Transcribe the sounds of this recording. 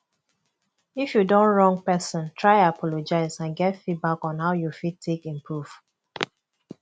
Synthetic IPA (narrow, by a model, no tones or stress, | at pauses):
ifjudõnɹɔ̃ŋɡ̚pɛsɔ̃ntʰɹaɪapʰɔlod͡ʒaɪzãnɡɛtfibakɔ̃nhaʊjufid̚tʰːekĩmpʰɹuv̥